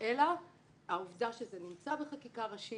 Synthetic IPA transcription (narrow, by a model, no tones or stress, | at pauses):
ʔela | hauvdaʃezenimt͡sabeχakikaʁaʃi